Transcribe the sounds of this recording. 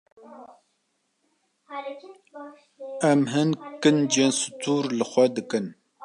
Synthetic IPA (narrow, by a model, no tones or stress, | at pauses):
ɛmɦɨnkɨnd͡ʒensɨ̥t̪ʰuːɾlɨxʷɛd̪ɨkɨn